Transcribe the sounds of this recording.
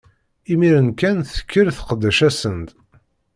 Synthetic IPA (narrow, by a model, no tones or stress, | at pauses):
imiɾənkænθə̥kʰːəɾθə̥qəd̪ːæʃæsənt̪